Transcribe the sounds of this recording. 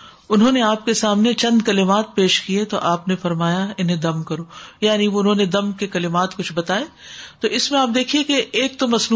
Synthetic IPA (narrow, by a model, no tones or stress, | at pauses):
ʊnɦõːneaːp̚kesaːmnet͡ʃɐ̃nd̪kɐlɪmaːt̪̚peːʃkiet̪o̰ʔaːpnefɐɾmaːjaɪnɦẽd̪ɐmkɐɾoːjaːniʋoʊnɦõːned̪ɐmkekɐlɪmaːt̪kʊt͡ʃʰbɐt̪aːeːt̪oːɪsmẽaːp̚d̪eːkʰiekeːk̚t̪omɐsnu